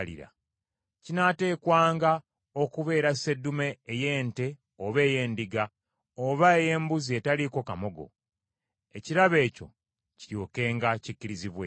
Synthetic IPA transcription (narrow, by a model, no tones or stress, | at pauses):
lḭɾa̰ | cinate̞ːkwaːŋɡa | o̞kuβe̞ːɾase̞dːume̞ːje̞ːnte̞ | oβe̞ːje̞ːndiɡa | oβaeje̞ːmbuzie̞taliko̞kamo̞ɡo̞̰ | e̞ciɾaβe̞ːco̞̰ | cijoːke̞ːŋɡacicːiɾiziβwe